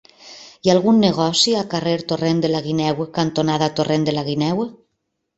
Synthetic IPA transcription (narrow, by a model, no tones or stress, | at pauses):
ialˠɣunːeɣ̞ɔsialkareɾt̪orend̪elaɣinɛwəkant̪onaðat̪orend̪elaɣinɛwə